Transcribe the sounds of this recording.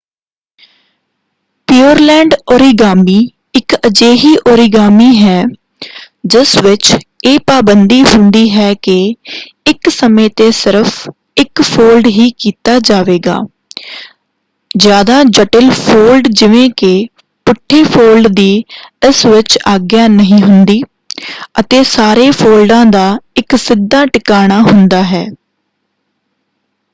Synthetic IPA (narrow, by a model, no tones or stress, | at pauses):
piːəɾlɛ̃ːɳɖoːɾiːɡaːmiː | ɪkəd͡ʒeːɦiːʔoːɾiːɡaːmiːɦɛː | d͡ʒɪsʋɪt͡ʃeːpaːbənd̪iːɦʊ̃nd̪iːɦɛːkɪ | ɪksəmẽːt̪eːsɪɾəpʰ | ɪkpʰoːlɖɦiːkiːt̪aːd͡ʒaːʋeːɡa̰ː | d͡ʒjaːd̪aːd͡ʒəʈəlpʰoːlɖd͡ʒɪʋẽːkɪ | pʊʈʰːeːpʰoːlɖd̪iːɪsʋɪt͡ʃaːɡjaːnəɦĩːɦʊnd̪iː | ət̪eːsaːɾeːpʰoːlɖãːd̪aːɪksɪd̪ːaːʈɪkaːɽ̃aːɦʊnd̪aːɦɛː